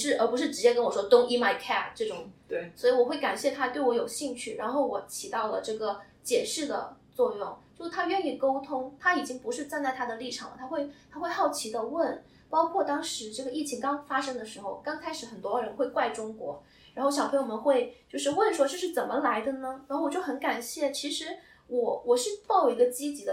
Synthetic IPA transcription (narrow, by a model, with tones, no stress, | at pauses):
ʂɻ̩˥˩ʔə˞˧˥pu˧˥ʂɻ̩˥˩ʈ͡ʂɻ̩˧˥t͡ɕjɛ˥kə˥nwɔ˨˩ʂwɔ˥t̪ʊ˥ŋi˥ma˧˥ɪkʰa˥˩ʈ͡ʂɤ˥˩ʈ͡ʂʊ˨˩˦ŋ˥˩swɔ˧˥i˨˧wɔ˨˩xwe˥˩ɪka̰˨˩nɕjɛ˥˩t̪ʰa˥t̪we˥˩ɪwɔ˧˥jo˨˩ʊɕi˥˧ŋt͡ɕʰy˥˩ɻa˧˥nxo˥˩ʊwɔ˧˥t͡ɕʰi˧˥t̪ɑ˥˩ʊlə̰˩ʈ͡ʂɤ˥˩ɡə˩ | t͡ɕjɛ˨˩ʂɻ̩˥˩d̪ə̰˩t͡swɔ˥˧jʊ˥˩ŋt͡ɕo˥˧ʊʂɻ̩˥˩t̪ʰa˥ɥɛ˥˧ni˥˩ko˥ʊt̪ʰʊ˥ŋt̪ʰa˥i˨˩t͡ɕi˥ŋpu˧˥ʂɻ̩˥˧t͡sa˥˧nt͡sa˥˩ɪt̪ʰa˥d̪ə˨li˥˩ʈ͡ʂʰɑ˨˩ŋlə̰˦t̪ʰa˥xwe˥˧ɪt̪ʰa˥xwe˥˧ɪxɑ˥˩ʊt͡ɕʰi˧˥d̪ə˧wə˥˩n | pɑ˥ʊkʰwɔ˥˩t̪ɑ˥ŋʂɻ̩˧˥ʈ͡ʂɤ˥˩ɡə˩i˥˩t͡ɕʰi˧˥ŋkɑ˥ŋfa˥ʂɤ˥ŋd̪ə˨ʂɻ̩˧˥xo˥˧ʊkɑ˥ŋkʰa˥ɪʂɻ̩˧˥xə˨˩nt̪wɔ˥ɻə˧˥nxwe˥˧ɪkwa˥˩ɪʈ͡ʂʊ˥ŋkwɔ̰˧˥ | ɻa˧˥nxo˥˩ʊɕjɑ˨˩ʊpʰɤ˧˥jo˧˩mə˧˦nxwe˥˧ɪt͡ɕo˥˧ʊʂ̬ɻ̩˥˧wə˥˩nʂwɔ˥ʈ͡ʂɤ˥˧ʂ̬ɻ̩˥˩t͡sə˨˩nmə˦la˧˥ɪd̪ə˧nə˧ɻa˧˥nxo˥˩wɔ˨˩t͡ɕjʊxə˧˥nka˨˩nɕjɛ˥˩t͡ɕʰi˧˥ʂɻ̩˧˥ | wɔ˧˥wɔ˨˩ʂɻ̩˥˧t̪o˥˩jo˨˩ʊi˧˥ɡə˧t͡ɕi˥t͡ɕi˧˥d̪ə˧